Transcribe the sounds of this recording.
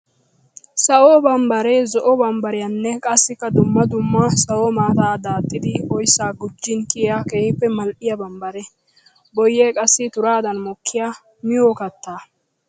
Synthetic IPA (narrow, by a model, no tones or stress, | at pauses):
sɐwoːbɐmbɐɾeːzɔʔɔbɐmbɐɾɪjanːɛkʼɐsːɪkːɐd̪ʊmːɐd̪ʊmːɐsɐwoːmaːt̪aːd̪aːt̪ʼːɪd̪ɪɔjsːaːɡʊd͡ʒːɪnkɪakeːhɪpːɛmɐlʔɪjɐbɐmbɐɾɛ | bɔjːeːkʼɐsːɪt̪ʊɾaːd̪ɐnmɔkʰːɪja | mɪjoːkɐt̪ːaː